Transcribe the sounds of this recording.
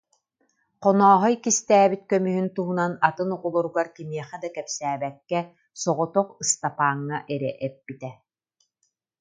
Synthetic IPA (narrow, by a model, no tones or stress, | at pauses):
qɔnɔːɦɔjkist̪æːbit̪̚kœmyɦynt̪uɦunanat̪ɯnuʁulˠuɾuɡaɾkimiɛχɛd̪akɛpsæːbɛkːɛ | sɔʁɔt̪ɔqɯst̪apaːŋːaʔɛɾɛ̰ʔɛpːit̪ɛ